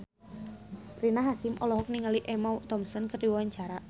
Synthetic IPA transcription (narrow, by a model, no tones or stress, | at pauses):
rinaɦasɪmʔɔlɔɦɔk̚niŋaliʔɛmawt̪ɔmsɔnkərdiwwaɲt͡ʃaɾa